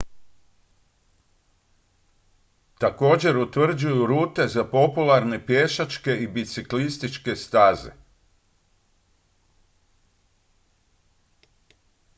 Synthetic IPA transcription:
t̪ako̞ːd͡ʑe̞ɾut̪ʋr̩d͡ʑujuɾuːt̪e̞zapo̞pulˠaɾne̞pjeʃat͡ʃke̞ibit̪siklist̪it͡ʃke̞st̪aːzḛ

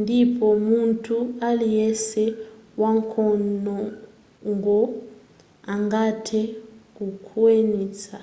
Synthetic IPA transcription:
ndʱipʰɔmuntʼʰualijɛsɛwaŋkʰɔnɔ | ŋɡɔ | aŋɡatʰɛk̬ukʰuweniːt͡sʰa

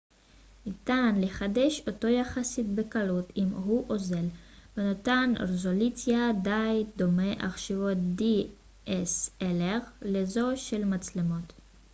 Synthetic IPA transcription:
nitanleχadeʃoto̞jaχasit̚bekalutimɦuʔo̞ze̞l | venotanʁezolut͡sjadajdo̞meʔaχʃivo̞t̚di | ʔeseleʁlezo̞ʃe̞lmat͡slemo̞t

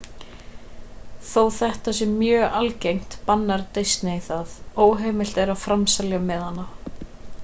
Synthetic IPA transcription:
θowθɛht̪asɛmːjœːalcejŋ̥t̪panːaɾt̪ejst̪nɪiθaðoːwɦɛːmɪl̥t̪ɛɾaðfɾamsaljamɛðhanːa

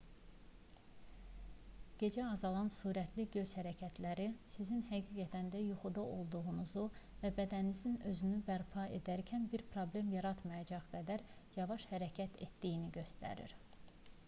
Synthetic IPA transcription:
ɟ̥e̞d͡ʒæɑzɑlˠɑnsuːɾæt̪ʰliɟø̞z̥hæɾæcʰæt̪ʰlæɾisizinhæɡiːɡæt̪ʰænd̪æjuxud̪ɑo̞lˠd̪uɣunuzuvæbæd̪ænnizinø̞zynybæɾpʰɑe̞d̪æɾcʰænbiɾpʰɾoblemjɑɾɑt̪mɑjɑd͡ʒɑʁɡæd̪æɾjɑvɑʃhæɾæcʰæt̪ʰe̞t̪d̪ijiniɟø̞st̪æ̰ɾḭɾ

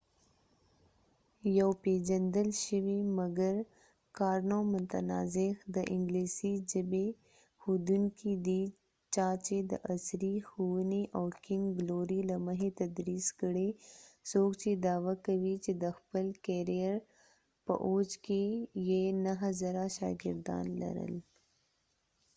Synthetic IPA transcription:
jawped͡ʒand̪əlʃəwimaɡaɾ | kɑɾnomʊt̪anɑ̰zɪxd̪əʔɪŋɡlisid͡ʒəbe | xud̪uŋkid̪i | t͡ʃɑt͡ʃed̪ə̰ʔasɾixuwəniʔawkɪŋɡɡloɾilaməɦet̪ɐd̪ɾiːskəɽesoːkt͡ʃed̪aːwakɐwit͡ʃed̪əxpəlkeɾijəɾ | pə̰ʔoːd͡ʒkejenəɦzɐɾaʃɑ̰ːɡɪɾd̪ɑ̰ːnlɐ̰ɾə̰l

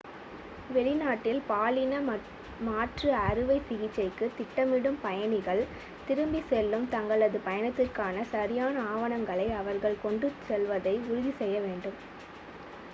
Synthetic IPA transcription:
ʋɛɭɪnaːʈːɪlpaːlɪnɐ | maːʈrɯɐɾɯʋɐɪsɪɣɪt͡ʃːɐɪkːɯt̪ɪʈːɐmɪɽɯmpɐjɐnɪɣɐɭ | t̪ɪɾɯmbisɛlːɯmt̪ɐŋɡɐɭɐðɯpɐjɐnɐt̪ːɪrkaːnɐsɐɾɪjaːnɐaːʋɐɳɐŋɡɐɭɐɪɐʋɐɾɣɐɭkɔɳɖɯsɛlʋɐðɐɪʊɾʊðisɛjːɐʋeːɳɖɯm

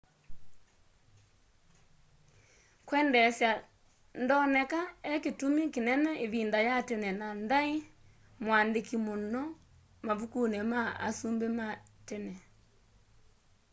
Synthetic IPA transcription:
kwɛːndɛsja | ndɔnɛkaɛketumikenɛnɛʔeβiːndajatɛnɛnandai | mwaːndekimonɔ | mavukunɛmaa̰sumbematɛnɛ

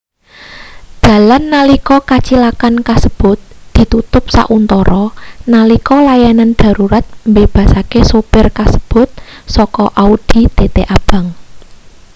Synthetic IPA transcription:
d̪̥a̤lanːalikɔkat͡ʃilakankasəb̥ʊ̤t̪̚d̪̥i̤t̪ut̪ʊp̚sa̰ʔunt̪ɔɾɔnalikɔlajanand̪̥a̤ɾuɾat̪̚mbeb̥a̤sakesopɪrkasə̥b̥ʊ̤t̪̚sɔkɔʔaud̪̥i̤t̪et̪eʔab̥ä̤ŋ

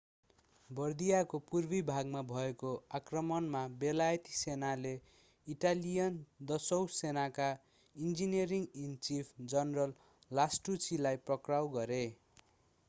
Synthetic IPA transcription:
bʌrd̪ijakopurbibʱaɡmabʱʌekoakrʌmʌnmabelajt̪i̥senale | iʈalijʌnd̪ʌsʌwsenaka | ind͡ziniʌɾiŋɡint͡sipʰd͡zʌnrʌlː | asʈut͡silajprʌkrawɡʌɾe

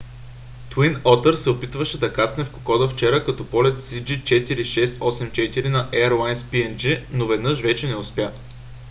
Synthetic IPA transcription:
t̪winɔt̪əɾsɛopit̪vəʃɛd̪ɐkasnɛfko̥kɔd̪əft͡ʃɛɾəkɐt̪ɔpɔlɛt̪sid͡ʒit͡ʃɛt̪iɾiʃɛst̪ɔsɛmt͡ʃɛt̪iɾinɐʔɛəɾlˠajnspiɛnd͡ʒinovɛd̪nɤʃvɛt͡ʃɛnɛospʲja

